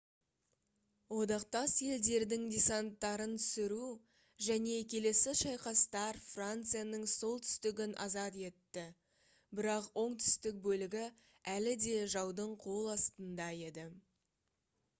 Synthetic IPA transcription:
wo̞d̪ɑqt̪ɑsje̞ld̪e̞ɾd̪ɪŋd̪ʲesant̪ːɑɾənt̪ʰʏ̥sɪɾu | ʒæne̞kʲʰe̞le̞sɪʃɑjqɑst̪ɑɾfrant̪sɨjanəɴso̞lˠt̪ʰʏ̥st̪ɪɡʲɪnʔɑ̰zɑt̪e̞t̪ːɪ | bɪɾɑqwo̞ɴt̪ʰʏ̥st̪ɪk̚bɵlɪɡʲɪ | ælɪd̪e̞ʒɑwd̪əɴqʰo̞lˠɑst̪ənd̪ɑje̞d̪ɪ

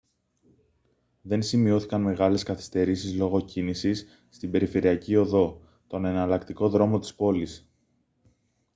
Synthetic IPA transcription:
ðe̞nsimio̞θikɐnme̞ɣɐle̞skɐθi̥st̪e̞ɾisizlo̞ɣo̞cinisisː | t̪ibe̞ɾife̞ɾiɐcio̞ðo̞ | t̪o̞ne̞nɐlɐkt̪iko̞ðɾo̞mo̞t̪i̥spo̞lis

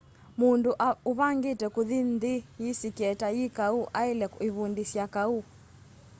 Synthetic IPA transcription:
munduʔauβaŋɡetɛkuðind̪ijisikɛtajikauʔailɛiβundisjakau

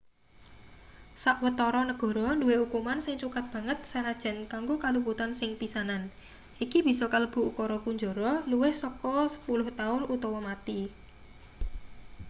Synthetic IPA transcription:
saʔwət̪ɔɾɔnəɡ̥ɔ̤ɾɔnduweukumansɪŋt͡ʃukat̪̚b̥ä̤ŋət̪̚saɾad̥ʒ̥a̤nkaŋɡokalup̬ut̪ansɪŋpisanan | ʔikib̥i̤sɔkaləb̥ṳʔukɔɾɔpuɲd͡ʒo̤ɾɔluwɪhsɔkɔsə̥pulʊht̪aʊnut̪ɔwɔmat̪i

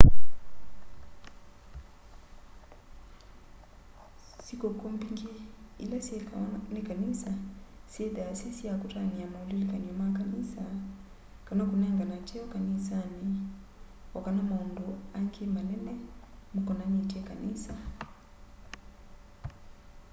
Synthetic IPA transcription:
sikɔkɔmbiŋɡiilasiɛnikanisasiɛdasisiakutaniamaulilikaɲɔmakanisa | kanakunɛŋɡanat͡ʃɛɔkanisani | wɔkanamaunduaŋɡemanɛnɛmukɔnanietiɛkanisa

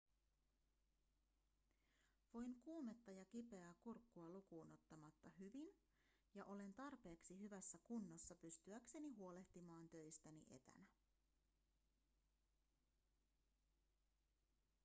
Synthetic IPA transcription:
ʋo̞jŋkuːme̞t̪ːɑjɑk̟ipe̞ækurkːuɑlukuːno̞t̪ːɑmɑt̪ːɑɦyʋin | jɑʔo̞le̞nt̪ɑrpe̞ːksiɦyʋæsːækunːosːɑpyst̪yækse̞niɦuo̞le̞ht̪imɑːnt̪ø̞jst̪ænḭʔe̞̰t̪æ̰næ

